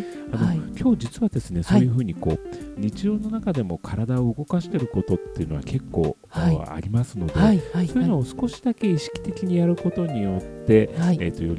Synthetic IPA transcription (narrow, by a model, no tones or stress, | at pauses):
ano̞kʲʰo̞ːd͡ʑit͡sɨβad̪e̞sɨne̞so̞ːjɯ̟ɸɯ̟ːɲ̟iko̞̰ːɲ̟it͡ɕiʑo̞ːno̞nakad̪e̞mo̞kʰaɾad̪aoɯɡo̞kaɕi̥t̪e̞ɾɯ̟ko̞t̪o̞t̪ːe̞iɯ̟no̞βake̞kːo̞̰ː | a̰ɾʲimasɨno̞d̪e̞soːjɯnoːsɨ̥ko̞ɕi̥d̪ake̞iɕi̥kʲi̥t̪e̞kʲiɲ̟ijaɾɯ̟ko̞t̪o̞ɲ̟ijo̞t̪ːe̞t̪ːo̞jo̞ɾʲi